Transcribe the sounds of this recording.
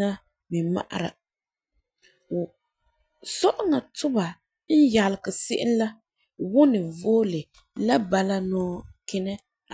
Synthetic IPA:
a˦ | mi˨ma̰˨ʔa̰˨ɾa̰˨ | sɔ˦ʔʊ˦ŋa˨tʊ˦ba˨ | n̩˦ja˨lɪ˨kɨ˨sɪ˦ʔɪ̰˦n˦la˦ | wʊ˦nɨ˨voː˦lɨ˨ | la˦ba˨la˦nɔː˦kɪ˦nɛ˦˨

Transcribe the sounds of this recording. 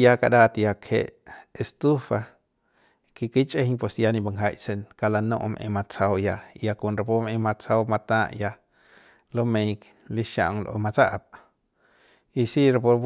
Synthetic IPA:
ja˧ka˧d̪a˦t̪ja˧kʰḛ˧ʔe˧st̪u˦fa˧ | ki˧ki˦t͡ʃʼe˦hɲpwe˧˨sja˧nĩ˧ba˧ŋɦa˧jse˧nka˧la˧nõ̰˦˧ʔmʔḛ̃˧mã˧t͡sa˧wja˧ja˧ku˧nɾa˧po˦mẽ˧ma˧t͡sa˧wma˧t̪ã˦˧ʔja˧ | lo˦mẽ˧jk | li˦ʃa̰˧ʔŋlʔo̰˧mã˧t͡sa˦ʔp | i˧si˦ɾa˧po˧

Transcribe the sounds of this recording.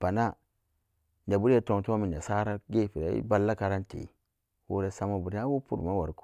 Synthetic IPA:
pa˨na˦ | nd͡ʒa˨bu˦ɾe˦to˨ŋto˦a˦mi˨n˨a˨sa˦ɾa˦ɡe˦˨pi˨ɾa˨ḭ˦ba˦lːa˦ka˨ɾa˦n˦tḛ˨ | wo̰˦ɾe˦sa˦ma˨bu˨ɾa˦wu˦pṵ˨ɾma˦wa˨ɾku̥˦

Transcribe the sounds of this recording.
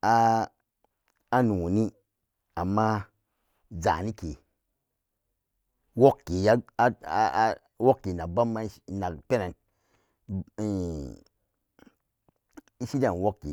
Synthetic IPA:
a˦ | a˦nu˨o˨ni˦ | a˨mːa˦ | za̰˨ni˦ke˨ | wo˦kːe˨ja˦a˦a˨˦ | wo˦kːe˨na˨ba˦mːa˦˨na˨kpe˦na˨n˨ | i˦si˦da˨n˨wo˦kːḛ˨

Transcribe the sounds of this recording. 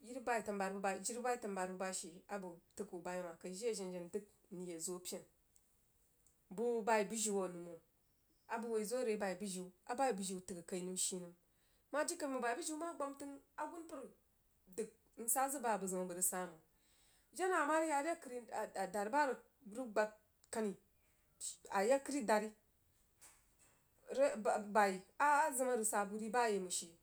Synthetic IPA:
ji˦ɾba˦i˨ta˨nba˨ɾbu˦ba˦˨d͡ʒi˦ɾi˦ba˦i˦ta˨nba˨ɾbu˦ba˦ʃi˨a˨bu˨tɨ˦ku˨ba˨jma˨kɐ˨ʒi˦e˦˨ʒi˨nd͡ʒe˨ndɨ˦k̚ni˨je˨zo˦pʲe˨n | bu˦ba˦i˨bu˦ʒi˦wo˨nu˨mo˨ | a˨bu˨wo˨i˨zo˦ɾe˨˦ba˨i˨bu˦ʒi˨˦a˨ba˦i˨bu˨ʒi˨tɨ˨kɨ˨ka˨i˦nu˦m˦ʃi˦nɨ˨m | ma˦d͡ʒi˦kə˦ɾmu˨ba˨i˨bu˦ʒi˦ma˦ɡ͡ba˦mtɨ˦na˨ɡu˦npu˦ɾ | dɨ˨ɡ̚ | n̩˦sa˦zɨ˦ba˨bɨ˨zɨ˨ma˨bə˨ɾi˨sa˨˦˨mu˨ | d͡ʒa˦na˨ma˦ɾja˦a˦kɾi˦˨da˨ɾi˨˦ba˦ɾ | ɾi˦ɡ͡ba˨ | ka˦ni˨ | a˨ja˦ki˦ɾi˦da˨ɾi˦ | ɾba˨i˨a˦zɨ˦ma˦ɾɨ˨sa˨bu˨ɾi˦ba˦˨je˨mu˨ʃi˨

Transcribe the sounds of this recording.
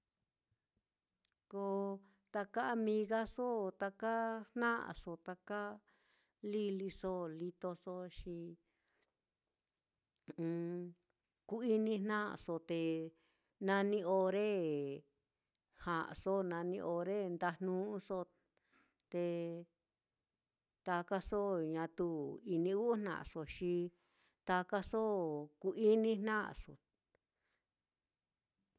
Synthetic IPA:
ko˧ | t̪a˧ka˦a˧mĩ˧ɣa˦so˦t̪a˧ka˦hnã˦ʔa̰˨so˧t̪a˧ka˦ | li˦li˧so˦li˧t̪o˧so˧ʃi˧ | ku˦i˦nĩ˧nnã˦a̰˧˨so˧t̪e˧ | nã˧nĩ˧o˧ɾe˦ | hã˨ʔso˦nã˧nĩ˧ʔo˧ɾe˦nd̪a˧nnũ˦˧˦so˦ | t̪e˧ | t̪a˧ka˦so˦ɲã˧t̪u˦i˧nĩ˧u˦n̥nã̰˧˨so˧ʃi˧ | t̪a˧ka˦so˦ku˧ʔi˦nĩ˦nnã̰˦˨so̰˨

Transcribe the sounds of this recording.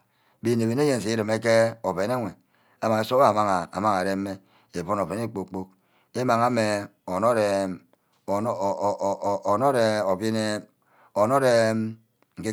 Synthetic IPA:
bi˨ne˨βe˨n˦e˦je˨n˨s̬i˨i˦ɾi˨me˦ke˦o˨be˨ne˦ŋʷe˨ | a˦ma˨ŋe˨so˦a˦˨ma˦ŋa˨a̰˨ma˦ŋa˨ɾe˦m̩ː˦e˦ | e˨po˦no˨ve˨ne˦k͡po˦k͡po˦k̚ | e˦ma˨ŋa˦me˨ | o˨no˦ɾe˨˦˨ | o˨no˦ɾe˨o˨bi˦ne˦ | o˨no˦ɾe˨m | ŋ̩˨ke˦

